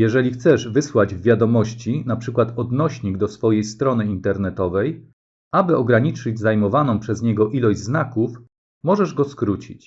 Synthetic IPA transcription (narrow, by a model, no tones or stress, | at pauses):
jɛʐɛlʲixt̪sɛʐvɘswad͡ʑvvʲjad̪ɔmɔɕt͡ɕinapʂɘkwat̪ɔd̪nɔɕɲiɡd̪ɔsfɔjejst̪ɾɔnɘint̪ɛɾnɛt̪ɔvɛj | abɘɔɡɾaɲit͡ʂɘd͡ʑzajmɔvanɔ̃w̃pʂɛzɲɛɡɔʔilɔʑznakuf | mɔʐɛʐɡɔskɾut͡ɕḭt͡ɕ